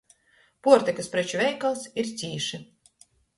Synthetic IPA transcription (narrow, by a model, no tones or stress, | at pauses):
puɔɾt̪ʲɛkaspɾɛt͡ʃuvʲɛjkalˠsiɾt̪sʲiːʃi